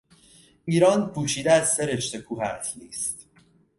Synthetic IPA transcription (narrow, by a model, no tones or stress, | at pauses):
iːɾɒːnpʰuːʃiːd̪eæzse̞ɾe̞ʃt̪e̞kʰuːɦæt̪niːst̪